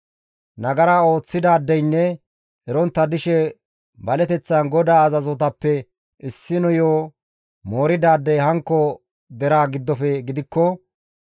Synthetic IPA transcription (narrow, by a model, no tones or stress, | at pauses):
nɐɡɐɾao̞ːt͡sːɪd̪aːd̪ːɛjnːɛ | ɛɾɔnt̪ːɐd̪ɪʃɛ | bɐlɛt̪ɛt͡sːɐnɡɔd̪aːɐzɐzɔt̪ɐpːɛ | ʔɪsːɪnɔjoː | moːɾɪd̪aːd̪ːɛjɦɐŋkːɔ | d̪ɛɾaːɡɪd̪ːɔfɛɡɪd̪ɪkːɔ